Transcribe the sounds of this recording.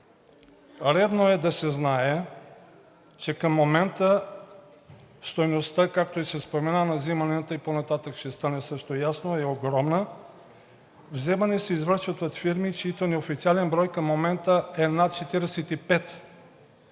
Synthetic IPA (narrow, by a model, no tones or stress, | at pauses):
ɾɛd̪noɛd̪ɐsɛznaɛ | t͡ʃɛkəmːomɛnt̪ə | st̪ojnost̪akak̚t̪oisɛspomɛnanɐzimɐnɛt̪əiponat̪at̪əkʃɛst̪anɛsɤʃt̪ojasnoɛoɡɾɔmnə | vzɛmɐnɛsɛizvɾəɾʃət̪oot̪fiɾmit͡ʃit̪onɛofit̪sialɛnbɾɔjkəmːomɛnt̪əɛnat̪̚t͡ʃɛt̪iɾɛsɛt̪ipɛt̪